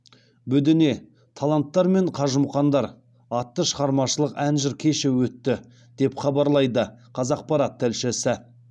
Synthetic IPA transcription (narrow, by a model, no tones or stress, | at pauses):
bɵd̪ɪne̞ | t̪ʰɑlˠɑnt̪ːɑɾme̞ɴqʰɑʒəmχɑnd̪ɑɾ | ɑt̪ːəʃəʁɑɾmɑʃəlˠəqænʒɪɾkʲʰe̞ʃɪwɵt̪ːɪ | d̪̥e̞pχɑbɑɾlˠɑjd̪əqʰɑzɑq̚pɑɾɑt̪ʰːælʃɪsɪ